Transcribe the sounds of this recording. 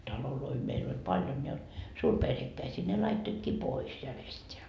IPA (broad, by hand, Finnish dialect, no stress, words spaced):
tɑloloi meil olʲ pɑljon jɑ suːrperhekːæisiː ne lɑitːoitkiː pois jærestʲeæ